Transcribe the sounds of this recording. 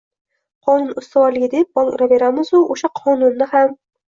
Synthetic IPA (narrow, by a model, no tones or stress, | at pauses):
qʰɒnʊnʊst̪ʰawɒɾlɪɡʲɪd̪ep̚bɒlˠɾave̞ɾamɪzʊʔoʃaqʰɒnʊnːɪham